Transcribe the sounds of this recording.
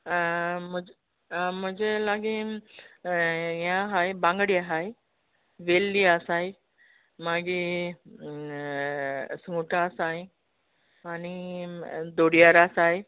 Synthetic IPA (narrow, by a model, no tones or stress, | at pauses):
m̤ə | m̤əd͡ʑelaɡi | ɦjãɦajbãŋɡɽijaɦaj | ʋelːiasaj | maɡi | sŋuʈasaj | ani | d̪oɽijaɾasaj